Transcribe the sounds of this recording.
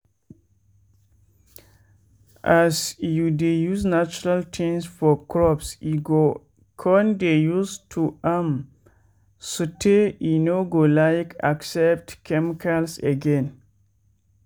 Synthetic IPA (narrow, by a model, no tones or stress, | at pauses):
ʔasjudejuznat͡ʃuɹaltʰĩnsfɔkʰɹɔpsiɡo | kʰɔndejustʰuam | sutʰeinoɡolajkʰa̰ksɛp̚tkʰɛmikʰalseɡɛ̃n